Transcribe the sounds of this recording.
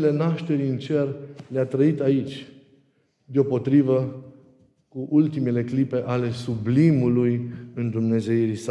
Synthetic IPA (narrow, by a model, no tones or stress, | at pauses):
le̞naʃt̪e̞ɾiɨnt͡ʃe̞rleat̪ɾəit̪ait͡ʃʲ | d̪eo̞po̞t̪ɾivə | kuʔult̪imele̞klipe̞ʔale̞sublimulujɨnd̪umne̞ze̞iɾisa